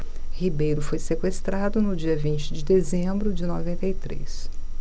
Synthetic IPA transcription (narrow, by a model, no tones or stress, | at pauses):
hibejɾʊfojsekwest̪ɾad̪ʊnʊd͡ʒiɐvĩnt͡ʃɪd͡ʒɪd̪ezẽbɾʊd͡ʒɪnovẽnt̪ejt̪ɾḛs